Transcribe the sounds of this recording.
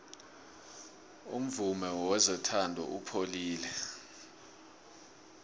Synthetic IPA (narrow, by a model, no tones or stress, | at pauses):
um̩vumɛwɛzɔtʰandʱɔ̰ʔupʰoliːlɛ